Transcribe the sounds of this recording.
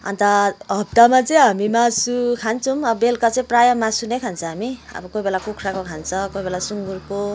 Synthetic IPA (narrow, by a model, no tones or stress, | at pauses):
ʌ̰nt̪ʌɦʌp̚t̪amat͡sʌĩɦamimasukʰant͡sʰumʌbelkat͡sʌĩprajʌmasunekʰant͡sʰʌ̃ɦamiʌ̰bʌkojbelakukʰrakokʰant͡sʰʌ̃kojbelasuŋɡurko